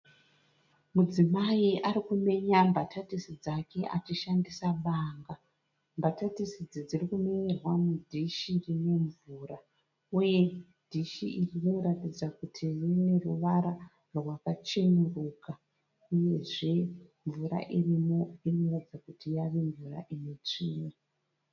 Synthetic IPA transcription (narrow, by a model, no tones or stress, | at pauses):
mud͡zimaiʔaɾikume̞ɲambatʰatisid͡zake̞ʔat͡ʃiʃandisaɓaŋɡa | mbatatisid͡zid͡zirikumeerwamudʱiʃirine̞ɱvuːra | uje̞ | d̥ʱiʃiʔirino̞ɾatid͡zakutʰirine̞ruʋaɾa | rwakat͡ʃenuruːka | uje̞ʐe̞ɱvuɾa̰ʔirimo̞ino̞ratid͡zakutijaʋe̞ɱvura̰ʔinet͡ʂiːmwe